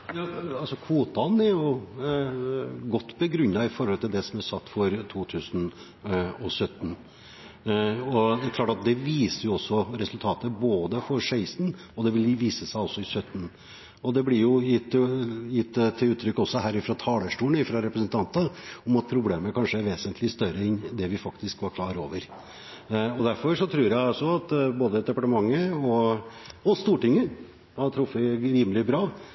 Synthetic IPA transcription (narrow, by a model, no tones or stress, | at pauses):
jɑːɑlsɔkʰʋuːt̪ɑnæɾjʊ | ɡɔt̪ːbəɡɾʉɲːɑɪfɔɾhɔlt̪ʰɪld̪ɛsɔmæsɑt̪ːfɔɾt̪ʰuːt̪ʰʉːsən | ɔsœt̪ːn̩ | ɔd̪ɛæɾklɑːʈɑt̪̚d̪ɛʋiːsəɾjʊɔsːɔɾɛsʉlt̪ʰɑːt̪əboːd̪əfɔɾʂeɪsn | ɔd̪ɛʋɪlʋiːsəsæɪɔsːɔɪsœt̪ːn̩ | ɔd̪ɛblɪɾjʊjɪt̪ːjɪt̪ːt̪ʰːɪʉːt̪ʰːɾʏkːɔsːɔhæːɾɪfɾɑt̪ʰɑːləʂʈuːɳɪfɾɑɾɛpɾəsənt̪ʰɑnt̪əɔmɑt̪̚pʰɾʊbleːməkʰɑnʂəæɾʋeːsənt̪ʰlɪst̪œɾəɛnd̪ɛʋɪfɑkt̪ɪskʋɑɾkʰlɑːɾo̰ːʋəɾ | ɔd̪æɾfɔɾʂɔt̪ʰɾʉːɾjæɪɑlsɔɑt̪boːd̪əd̪ɛpɑʈəmɑŋːəɔ | ɔst̪uːʈɪŋːə | ɑt̪ʰɾʊfːəɾiːməlɪbɾɑː